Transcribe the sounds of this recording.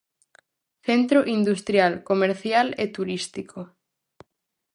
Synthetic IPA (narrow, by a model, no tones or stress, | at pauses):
θent̪ɾoʔind̪ust̪ɾjalkomeɾθjalet̪uɾist̪ikʰo